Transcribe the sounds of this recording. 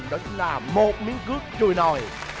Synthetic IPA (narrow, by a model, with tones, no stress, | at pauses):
ŋɗɔ˨˦t͡ɕʊ˨˦ŋ͡mlaː˨˩mo˨˩t̚mi˨˦ənkɨ˦˥ək̚t͡ɕu˨˩əjno˨˩j